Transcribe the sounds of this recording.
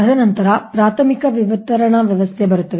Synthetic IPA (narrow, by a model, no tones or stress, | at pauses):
ɐd̪ʱɐnɐnt̪ɐɾɐpɾaːt̪ʰɐmikɐʋjɐʋɐt̪ɐɾɐɳɐʋjɐʋɐst̪ʰebɐɾut̪ːɐʋ